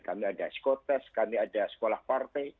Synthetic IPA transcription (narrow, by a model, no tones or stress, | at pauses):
kamiadasə̥kot̪ɛskamiadasə̥kolahpart̪aj